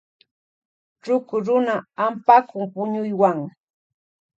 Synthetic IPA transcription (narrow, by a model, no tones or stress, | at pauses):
ʈ͡ʂʊkʊɾʊnaampakʊŋpʊɲʊjwaŋ